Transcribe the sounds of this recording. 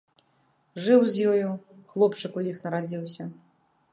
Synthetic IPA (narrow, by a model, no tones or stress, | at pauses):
ʐɨwzʲjɔjuxlˠɔpt͡ʂɨkujixnɐɾad͡zʲiwsʲɐ